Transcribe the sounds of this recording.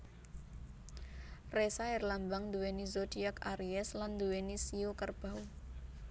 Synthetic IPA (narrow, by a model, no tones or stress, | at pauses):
resaɛrlambaŋnd̪uwenizodiakaɾiɛsland̪uwenisiokərb̥aw